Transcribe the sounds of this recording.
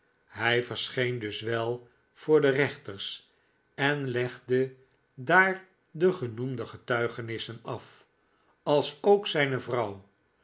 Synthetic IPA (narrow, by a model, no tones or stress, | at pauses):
ɦɛjvəɹsχejndɵsʋɛlˠ | v̥ʊːɹdərɛχt̪əɹs | ɛnlɛχdə | daːɹ | dəχənumdəχətœɥχənɪsənɑf | ɑlˠsowksɛjnəvrɑw